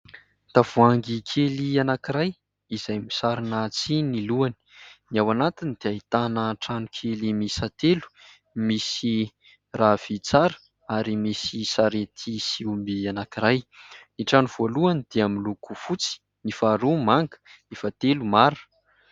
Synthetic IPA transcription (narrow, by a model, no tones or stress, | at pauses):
t̪av̥uaŋɡikʰelianakiɾaj | izajmisaɾinat͡siniluani̥niawanat̪inid̪̥eait̪anəʈ͡ʂanukʰelimisat̪elu̥ | misi | rav̥it͡saɾə̥ | aɾimisisaɾet̪ʰisiumbianakiɾajniʈ͡ʂanuv̥oluanid̪̥eamilukufut͡si̥ | nifaɾumaŋɡə̥nifat̪elumaɾ